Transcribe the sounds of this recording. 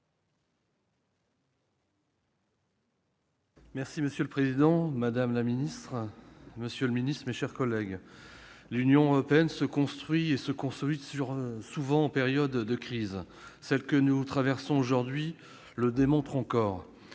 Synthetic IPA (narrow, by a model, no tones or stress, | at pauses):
mɛʁsiməsjøləpχezid̪ɑ̃mad̪amlaminist̪χməsjələminist̪χmeʃɛʁkɔlɛɡ | lynjɔ̃øʁɔpeɛnsəkɔ̃st̪χɥiesəkɔ̃st̪χɥisyʁsuvɑ̃ɑ̃peʁjɔd̪ːəkχiz | sɛlkənut̪χavɛʁsɔ̃oʒuʁd̪ɥi | ləd̪emɔ̃t̪χɑ̃kɔːʁ